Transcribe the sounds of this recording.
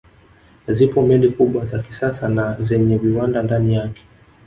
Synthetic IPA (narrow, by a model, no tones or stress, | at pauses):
zipɔmɛndikuɓwazaki̥sasanazɛɲɛviwandandanijakɛ̥